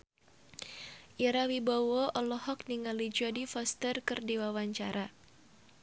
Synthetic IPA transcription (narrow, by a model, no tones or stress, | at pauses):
ʔiɾawibɔwɔʔɔlɔhɔk̚niŋalid͡ʒɔdifɔst̪ərkɨrdiwawaɲt͡ʃaɾʔa